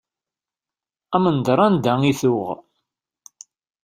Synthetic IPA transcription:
æmənd̪ɾˤɑnd̪æŋiθʊʁ

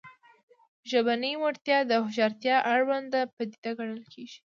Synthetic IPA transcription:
ʒəbanəjwaɽt̪jɑd̪əhʊʒɑɾt̪jɑʔaɽwand̪apəd̪ed̪aɡaɽəlkʰeɡi̥

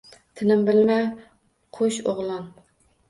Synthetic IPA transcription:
t̪ʰɪnɪmbɪlmɛ | qʰoʃoʁlˠɑn

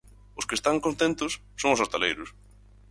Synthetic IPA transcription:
ʊskest̪aŋkõnt̪ẽnt̪ʊsːõŋʊsast̪alejɾʊs

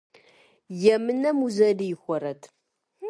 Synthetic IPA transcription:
jɛmɨnɐmuzɐlijɪxʷɐɾɐtʰ

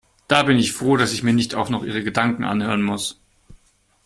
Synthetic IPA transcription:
d̥aːbɪnɪçfʁ̥oːdasɪçmiːɐnɪçtaʊxnɔχʔiːʁ̞əɡədaŋkŋ̩ʔa̰nhøːʁənmʊs

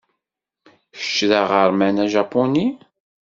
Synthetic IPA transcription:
ə̥ʃːðəʁəɾˤmænæʒɑponi

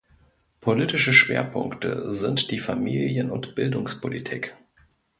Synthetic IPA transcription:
pʰolitɪʃəʃv̥ḛːɐpʰʊŋktə̰zɪntd̥iːfamḭːljənʊntb̥ɪldʊŋspʰolitʰiːk

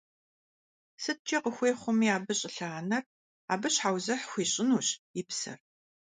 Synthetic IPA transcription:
sɨt̚t͡ʃʼɐqəxʷeːχʷʊmiːaːbɨɕʼɪɬaːnɐr | a̰ːbɨɕħaːwzɐħxʷiːɕʼɪnuːɕɪpsɐ̰r

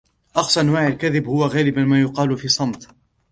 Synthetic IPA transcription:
ʔɑxsˤʔanwaːʕalkaðɪbhʊwaɣaːlɪbamaːjʊqɑːlfiːsˤɑmt̪ˤ

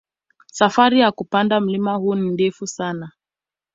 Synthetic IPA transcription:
safaɾijakupandam̩limahuːnindɛfusana

